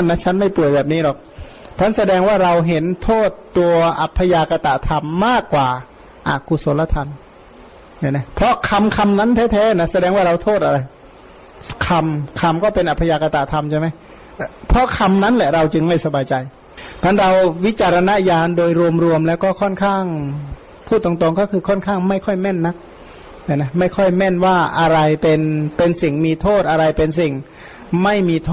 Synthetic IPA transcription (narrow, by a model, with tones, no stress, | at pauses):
a˥˩nːa˦˥˩t͡ɕʰa˦˥˨nma˥˩jpu˨˩əjbɛː˨˩p̚niː˦˥dɔ˨˩k̚ | tʰa˦˥nsa˧dɛː˧ŋwaː˥˩ɾa˧wɦe˨˦nt̪ʰoː˥˩t̪ːu˧ɐəʔa˨˩pʰːa˧jaː˧ka˧t̪a˨˧˩t̪ʰa˧mːaː˥˩kːwaː˨˩ | ʔa̰ː˨˩kʰu˧˩so˨˦nla˧t̪ʰa˧n | ja˧˩na˦˧˩pʰɾɔ˦˥kʰa˧mkʰa˧mna˦˥nt̪ʰɛː˦˥˩t̪ʰɛː˦˥na˦˥sa˧dɛː˧ŋwaː˥˩ɾa˧wt̪ʰoː˥˩t̪̚ʔa˧ɾa˧j | kʰa˧mkʰa˧mkɔː˥˩pe˧nʔa˨˩pʰa˧jaː˧ka˧t̪a˨˩t̪ʰa˧mt͡ɕʰa˧˩jma˦˥j | pʰɔ˦˧˥kʰa˧mna˦˥nlɛ˧˨˩ɾa˧wt͡ɕɯ˧ŋma˥˩jsa˧baː˧jt͡ɕa˧j | kaː˧˥nɾa˧wwi˦˥t͡ɕaː˧ɾa˧na˦˧˥jaː˧ndoː˧jɾu˧əmɾu˧əmlɛː˦˥˩wkɔː˧˥˩kʰɔ˧˥˩nkʰaː˥˩ŋ | pʰuː˥˩t̪ɔ˧ŋt̪o˧ŋkɔː˥˩kʰɯː˧kʰɔ˥˩˨nkʰaː˥˩ŋma˥˩jkʰɔ˥˩jmɛ˥˨nːa˦˥k̚ | t̪ɛ˧˩na˦˥ma˥˩jkʰɔ˥˩jmɛ˧˥˩nwaː˥˩ʔa˧ɾa˧jpe˧npe˧nsi˨˩ŋmiː˧t̪ʰoː˥˩t̪̚ʔa˧ɾa˧jpe˧ns̬i˨˩ŋ | ma˥˩jmiː˧t̪ʰoː˥˩